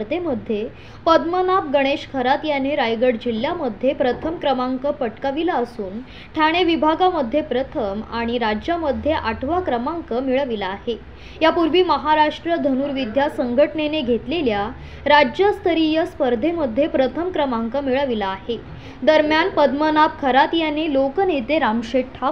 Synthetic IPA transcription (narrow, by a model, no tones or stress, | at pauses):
ɾd̪ʱeməd̪ʱːje | pəd̪mənap̚ɡəɽ̃eɕkʰəɾat̪janeɾajɡəɽd͡ʑiljaməd̪ʱːjepɾət̪ʰəmkɾəmaŋkəpəʈkaʋilaəsuːn | ʈʰjaɽ̃eʋibʱaɡaməd̪ʱːjepɾət̪ʰəmaɽ̃iɾad͡ʑjaməd̪ʱːjeʔaʈʰʋakɾəmaŋkəmiɭəʋilaːɦe | japuɾʋiːməɦaɾaʂʈɾəd̪ʱənuːɾʋid̪ʱjasəŋɡʱəʈɳeneɡʱet̪lelja | ɾad͡ʑjəst̪ʰəɾijəspəɾd̪ʱeməd̪ʱjepɾət̪ʰəmkɾəmaŋkəmiɭəʋilaːɦe | d̪əɾmjanpəd̪mənap̚kʰəɾat̪janelokənet̪eɾamʂeʈʰːa